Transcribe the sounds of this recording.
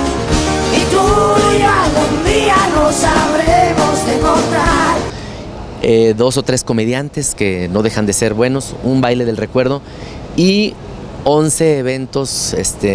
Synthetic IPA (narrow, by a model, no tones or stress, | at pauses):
it̪ujaɣund̪ianosaβɾemozd̪emont̪ɾaɾ | eðo̞so̞t̪ɾe̞sko̞me̞ðjant̪e̞ske̞no̞ðe̞xand̪e̞se̞ɾβwe̞no̞sumbajle̞ðe̞lre̞kwe̞ɾð̞o̞ | i | o̞nse̞ːβ̞e̞nt̪o̞sest̪e